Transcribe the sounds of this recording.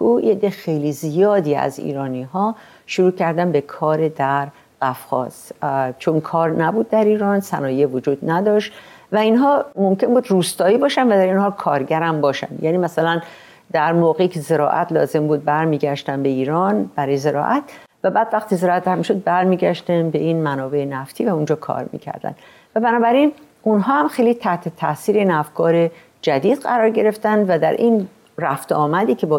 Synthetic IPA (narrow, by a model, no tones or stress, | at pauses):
ujed̪exejliːzijɒːd̪iːæ̰zḭːɾɒːniɦɒː | ʃoɾuːcʰæɾd̪ænbe̞kʰɒːɾed̪æɾ | ɢæfxɒ̰ːz̥t͡ʃʰonkʰɒːɾnæbuːd̪̚ːæɾiːɾɒːnsænɒːjevod͡ʒuːd̪næd̪ɒːʃt̪ | væinɦɒːmo̞mce̞nbuːd̪ɾuːst̪ɒːiːbɒːʃænd̪væd̪æɾinɦɒːkʰɒːɾɟæɾæmbɒːʃæ̰nd̪jʔæːniːmæsælæn | d̪æɾmoːɣeiːcʰeze̞ɾɒ̰ːʔæ̰t̪ʰlɒ̰ːze̞mbuːd̪̚bæɾmiːɟæʃt̪ænbe̞iːɾɒːnb̥æɾɒːjeze̞ɾɒ̰ːʔæt̪ʰ | væbæːd̪væxt̪iːzeɾɒːæt̪ɾæɾmiʃo̞d̪̚bæɾmiːɟæʃt̪ænbe̞inmænɒːbe̞enæft̪ʰiːvæund͡ʒɒːkʰɒ̰ːɾmḭːcʰæ̰ɾd̪æ̰nd̪ | væbænɒːbæɾin | unɦɒːhæmxejlit̪ʰæht̪ʰe̞t̪ʰæsiːɾeinæfkʰɒːɾe̞ | d͡ʒæd̪iːd̪ɢæɾɒːɾɟe̞ɾe̞ft̪ænd̪væd̪æɾʔin | ræft̪ɒːmæd̪iːcʰe̞bɒ